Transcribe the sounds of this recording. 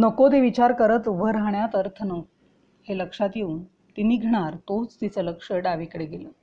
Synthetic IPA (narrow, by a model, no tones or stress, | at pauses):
nəkot̪eʋit͡ɕaɾkəɾət̪ubʱəɾaɦɳjat̪əɾt̪ʰənəʋ | heləkʂat̪jeun | t̪inːiːɡʱəɽ̃aɾt̪ot͡st̪it͡sələkʂəɖaʋikɽeɡeləː